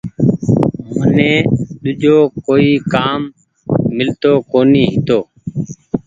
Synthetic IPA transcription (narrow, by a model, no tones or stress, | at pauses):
mənẽːɗ̪ʊʄoːkoːiːkaːmː | ɪlt̪oːkoːniːɦɪt̪oː